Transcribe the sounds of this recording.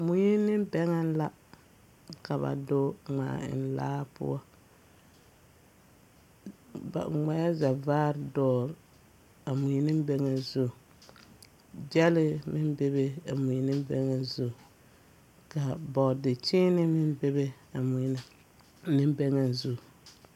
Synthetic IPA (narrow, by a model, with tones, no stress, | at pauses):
mu˨ji˦nɪ˦m˦bɛ˦ŋa˦n˦la˦ | ka˨βa̰˨do˦ŋ͡ma̰ː˨ɪ̰˨n˦la̰ː˦pʊ̰˦ɔ˦ | ba̰˨ŋ͡ma˨˦ja˦za˨vaː˦ɾdɔː˦˨ɾ | a˨mu˨ji˦nɪ˦m˦bɛ˦ŋa˨zu˦˨ | d͡ʒɛ˦lɪ˦mɪ˦nbe˦be˦a˨mu˨nɪ˦m˦bɛ˦ŋa˦zʊ˦˨ | ka˨bɔ˨dɪ˨t͡ʃɪ˦nɪ˦mɪ˦n˦be˦be˦ | a˨mu˨˦na˨˦ | nɪ˦m˦bɛ˦ŋa˨nzu˦˨